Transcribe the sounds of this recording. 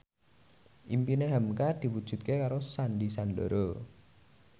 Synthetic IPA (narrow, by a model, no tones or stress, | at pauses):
ʔimpineɦamkad̪̥i̤wud̥ʒ̥ṳt̪̚kekaɾosanɖisando̰ɾo